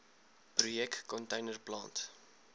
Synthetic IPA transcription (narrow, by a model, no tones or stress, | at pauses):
prujɛktkɔntəjnərplɑ̰ːnt